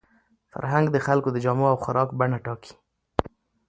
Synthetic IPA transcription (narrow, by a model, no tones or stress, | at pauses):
fa̰ɾɦaŋɡd̪əxalkod̪əd͡ʒɑmoawxaɾʔɑkbaɳaʈɑki̥